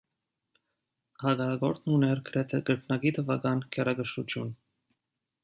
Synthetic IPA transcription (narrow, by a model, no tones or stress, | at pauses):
hɑɡɑɾɑɡɔɾt̪ʰnunɛɾɡəɾɛt̪ʰɛɡəɾkʰnɑɡit̪ʰəvɑɡɑnkʰɛɾɑɡəʃut͡ʃ̪ʰjun